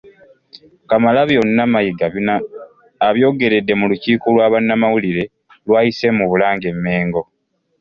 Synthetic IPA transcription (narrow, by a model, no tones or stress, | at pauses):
kamalaβjo̞nːamajiɡa | aβjo̞ːɡe̞ɾe̞dːe̞muluciːkolwaːβanːamawuliɾe̞ | lwaːjise̞muβulaːŋɡe̞mːe̞ːŋɡo̞